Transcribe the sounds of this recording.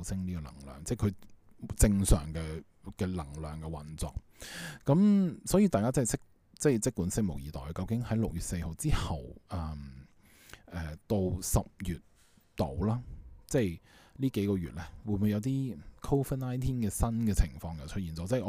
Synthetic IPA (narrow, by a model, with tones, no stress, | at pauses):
sɪ˥ŋliː˥kɔ˧lɐ̰˨˩ŋlœ̰ː˨˩ŋt͡sɛ˥˩kʰɵ˨˧ɥ | t͡sɪ˧ŋsœ̰ː˨˩ŋkɛː˧ | kɛ˧lɐ˨˩ŋlœː˨ŋkɛː˧wɐ˨nt͡sɔ̰ː˨k̚ | kɐ˨˥msɔː˨˥jiː˧t̪aː˨jkaː˥t͡sɐ˥hsɪ˥k̚ | t͡sɛ˥˩jt͡sɪ˥k̚kuː˨˥nsɪ˥k̚mo˨˩wjiː˨t̪ɔː˨˩jkɐ˧wkɪ˨˥ŋhɐ˨˥jlʊ˨k̚jyː˨t̚se˧jho˨˧wt͡siː˥hɐ˨wʔɐː˨˧m | ʔɛː˨t̪o˧wsɐ˨p̚jyː˨˩t̪̚ː | o̰˨˩wlaː˥t͡sɛ˥˩jliː˥ke˨˥jkɔː˧ɥyː˨t̚lɛː˥wuː˨˧ɪmu˨˧jɐ˨˧wt̪iː˥kʰo˥fə˥naː˥jt̪ʰiː˥ŋkɛː˧sɐ˥nkɛː˧t͡sʰɪ̰˨˩ŋfɔː˧ŋjɐ˨wt͡ʃʰt̚jiː˨˩nt͡sɔː˨˧t͡sɛː˥˩˨